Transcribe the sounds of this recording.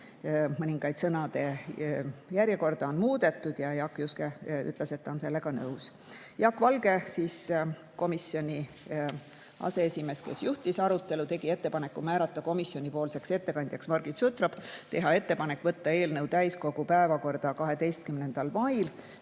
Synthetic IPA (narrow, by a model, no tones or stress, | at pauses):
mɤnʲiŋɡ̥ɑjd̪̥sɤnɑd̪e̞ | jæɾje̞ko̞rd̪ɑonmuːd̪e̞t̪ːˑud̪̥jɑjɑkːˑjuskey̰t̪ːˑlese̞t̪ːɑonse̞lːe̞ɡ̥ɑnɤuws | jɑkːvɑlɡ̥e̞sis | ko̞misːjo̞nʲi | ʔɑ̰se̞esʲime̞ske̞sjuht̪isɑɾut̪ːˑe̞lut̪e̞ɡ̥ie̞t̪ːe̞pɑne̞kːˑumæːɾɑt̪ːˑɑko̞misjo̞nʲipo̞ːlse̞kse̞t̪ːe̞kɑnʲd̪̥jɑksmɑrɡ̥it̪sut̪ɾɑb̥t̪e̞ɦɑe̞t̪ːe̞pɑnekːˑvɤt̪ːɑe̞ːlnɤwt̪æjsko̞ɡ̥upæevɑko̞rd̪̥ɑkɑɦe̞d̪e̞jst̪̚kymnend̪̥ɑlmɑjl